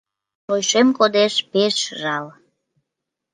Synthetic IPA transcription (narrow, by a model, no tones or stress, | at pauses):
ojʃemkod̪eʃpeʃʒɑl